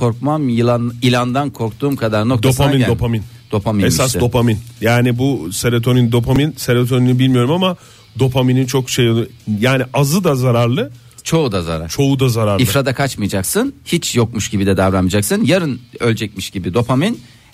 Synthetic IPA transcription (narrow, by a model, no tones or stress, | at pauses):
kʰo̞ɾkmamjɯlˠanilʲˠand̪ankʰo̞ɾk̚t̪ʰuːmkʰad̪aɾnok̚td̪apʰaminopʰamin | d̪̥o̞pʰaminesasd̪o̞paminjaːnibuseɾet̪ʰonind̪o̞pʰaminseɾet̪ʰo̞ninibilʲmijo̞ɾumama | d̪o̞pʰaminint͡ʃʰokʃejolˠjaːniʔazɯd̪azaɾaɾlˠɯ | t͡ʃʰo̞ud̪aza̰ɾa̰ɾt͡ʃʰo̞ud̪azaɾaɾifɾad̪akʰat͡ʃmɯjad͡ʒaksɯnhit͡ʃjok̚muʃɟibid̪ɛd̪avɾanmɯd͡ʒaksɯnjaɾɯnølʲd͡ʒɛc̚miʃɟ̥ibid̪o̞pʰamin